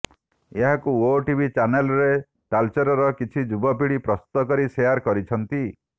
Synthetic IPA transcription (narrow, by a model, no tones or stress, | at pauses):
eɦakuoʈibʱit͡ʃanelɔɾe | ʈalt͡ʃeɾɔɾɔkit͡ʃʰid͡ʒubɔp̬iɽipɾɔsu̥t̪ɔkɔɾisejaɾkɔɾit͡ʃʰɔnt̪i